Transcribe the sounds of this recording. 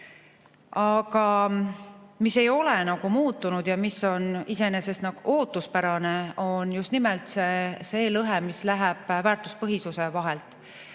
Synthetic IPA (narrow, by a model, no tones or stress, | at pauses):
ɑɡ̥ɑ | mise̞jo̞lenɑɡ̥umuːt̪ːunud̪̥jɑmisːo̞nise̞ne̞se̞st̪nɑɡ̥uʔo̞ːt̪ˑːuspæɾɑneo̞njust̪nimɛlt̪seseːlɤɦemislæɦæb̥væːrt̪ˑu̥spɤɦisuse̞vɑɦelt̪ˑ